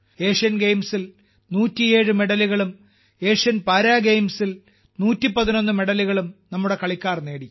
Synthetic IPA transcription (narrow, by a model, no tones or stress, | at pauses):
e̞ːʂɐnɡe̞jmsil | nuːtːie̞ːɻɨme̞ɽɐliɣɐɭum | e̞ːʂɐnpɐːɾaːɡejmsil | nuːtːipɐðino̞nːume̞ɽɐliɣɐɭumnɐmːuɽe̞kɐɭikʲːaːrne̞ːɽi